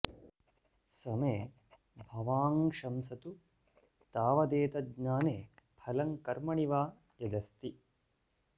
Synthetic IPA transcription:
sɐmeː | bʱɐʋaːŋʂɐmsɐt̪u | t̪aːʋɐd̪eːt̪ɐdɲaːneːbʰʱɐlɐŋkɐɾmɐɳiʋaː | jɐd̪ɐst̪i

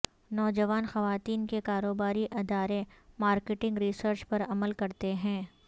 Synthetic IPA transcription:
nɔːd͡ʒɐʋaːnxɐʋaːt̪iːnkekaːɾoːbaːɾiʔɪd̪aːɾemaːɾkɪʈɪ̃ŋɡɾiːsəɾt͡ʃpɐɾɐməlkɐɾt̪eɦɛ̃ː

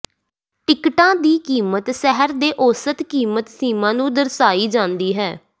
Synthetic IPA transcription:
ʈɪkʈãːd̪iːkiːmət̪sɛɦəɾd̪eːʔoːsət̪kiːmət̪siːmãːnũːd̪əɾsaːiːd͡ʒãːnd̪iːɦɛː

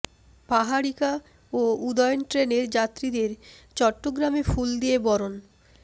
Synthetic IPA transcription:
paɦaɾika | oud̪ɔjonʈɾeneɾd͡ʑat̪ːɾid̪eɾt͡ɕɔʈːoɡɾamefuld̪ijebɔɾon

